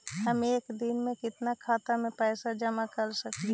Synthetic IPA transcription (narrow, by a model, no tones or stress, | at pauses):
ɦəmeːkd̪ɪnmẽkɪt̪nakʰaːt̪amẽpɛːsad͡ʒəmakəɾsək̪i